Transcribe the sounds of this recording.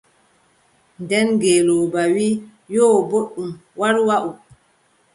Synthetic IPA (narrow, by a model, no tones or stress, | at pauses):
ndɛnɡeːlɔːbawiː | jɔːboɗːumwaɾwaʔu